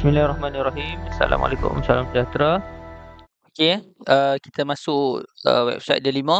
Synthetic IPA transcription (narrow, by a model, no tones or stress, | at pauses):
bismilarɔhmãnraɦimasa̰la̰ma̰lekʊ̰msalamsəd͡ʒat̪ɾa | okeʔəki̥t̪əmasʊʔʔə̰wɛ̰b̥sa̰jt̪̚dəlimə̃